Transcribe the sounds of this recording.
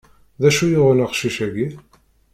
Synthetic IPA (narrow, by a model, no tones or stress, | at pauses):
ðæʃujʊʁənəʁʃiʃæɡi